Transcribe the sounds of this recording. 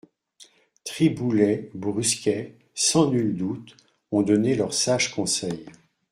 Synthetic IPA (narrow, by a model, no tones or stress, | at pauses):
t̪χibulɛbʁyskʲɛ | sɑ̃nyld̪ut̪ | ɔ̃d̪ɔnelœʁsaʒkɔ̃sɛj